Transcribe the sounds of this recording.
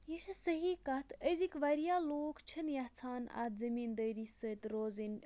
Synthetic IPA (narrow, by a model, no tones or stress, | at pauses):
jiʃɨsəɦiːkɐt̪ʰəzikʋɐɾjaːloːkt͡ʃʰɐnjɐht͡sʰaːnɐ̰t̪zɐmiːnd̪əːɾisət̪ɾoːzinʲ